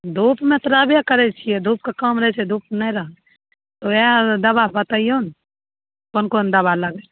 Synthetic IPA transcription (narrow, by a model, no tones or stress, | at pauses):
d̪uːpmẽt̪ɾaːbiakɐɾet͡ʃʰied̪ʱuːp̚kakamɾɛɛt͡ʃʰed̪uːpnɐ̃ɾɐ | t̪oed̪ɐbapɐt̪aioːn | konkoːnd̪ɐbalɐɡe